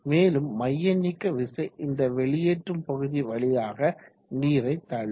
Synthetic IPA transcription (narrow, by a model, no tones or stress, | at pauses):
meːlɯmːɐjːɐnːɪkːɐʋɪsɐɪʔɪnd̪ɐʋɛɭɪjɛʈrɯmpɐɣɯðiʋɐɭɪjaːɣɐ | niːɾɐɪt̪ːaːɭ